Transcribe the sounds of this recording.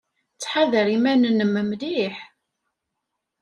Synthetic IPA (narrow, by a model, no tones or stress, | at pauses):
t͡sːħaðəɾimænənəmːəmðiħ